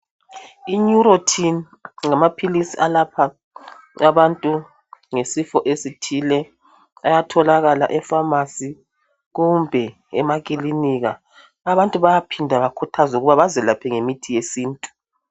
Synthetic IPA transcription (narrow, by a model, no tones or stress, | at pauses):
iɲuɾotʰin | ŋamapʰilisiʔalapʰa | aβantʼu | ŋesifɔʔesitʰilɛ | ajatʰɔlaɣala̰ʔɛfamasi | ɣumbʱɛ | ɛmakʼiliniɣa | aβantʼuβajapʰindʱaβakʰutʰazuɣuβaβazɛlapʰɛŋemitʰijesiːntʼu̥